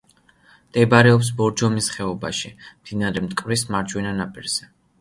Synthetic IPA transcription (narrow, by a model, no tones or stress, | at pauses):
d̪̥ɛbaɾɛɔps̬bɔɾd͡ʒɔmisχɛɔba̰ʃimd̪̥inaɾɛmt̪ʼkʼvɾismaɾd͡ʒwinanapʼiɾz̥ɛ